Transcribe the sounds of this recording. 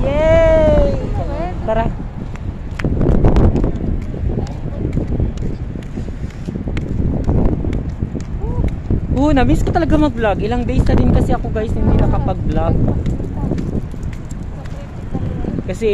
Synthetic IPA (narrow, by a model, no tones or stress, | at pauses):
jɛ | paɾa | ʔonɐmiskot̪ɐlɐɡamɐɡ̚blaɡʔɪlaŋd̪ɛjsɐɾɪnkɐsɛʔɐkoɡajsnɪnːɪlakɐpɐɡ̚blaɡ̚ | kɐsɛ